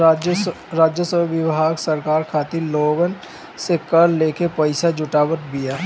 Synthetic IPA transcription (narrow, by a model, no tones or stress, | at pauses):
ɾaːd͡ʒjəsəbbjɪwɦaːɡsɐɾkaːɾkʰaːt̪iloːɡən | sekəɾleːkepɐɪsad͡ʒʊʈaːwət̪̚bijaː